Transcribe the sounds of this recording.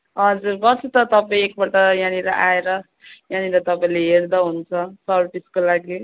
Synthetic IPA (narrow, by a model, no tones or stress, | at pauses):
ɦʌd͡zurbʌsut̪ʌt̪ʌpaĩek̚bʌʈʌjaniɾʌʔaeɾʌ | janiɾʌt̪ʌpaĩleɦerd̪ʌɦunt͡sʰʌsʌrpiskolaɡi